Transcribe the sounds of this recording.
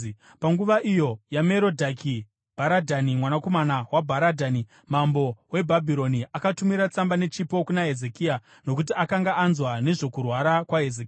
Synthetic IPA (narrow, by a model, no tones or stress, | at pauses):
paŋɡuʋaʔijo̞jame̞ɾodʱaki | b̥ʱaɾadʱanimwanako̞manawabʱaɾadʱani | mambo̞we̞bʱabʱiɾo̞niʔakatumiɾat͡sambane̞t͡ʃipo̞kunaɦe̞zekiːa | nokut̬iakaŋɡaʔːnzwane̞ʐo̞kurwaɾakwaɦezeki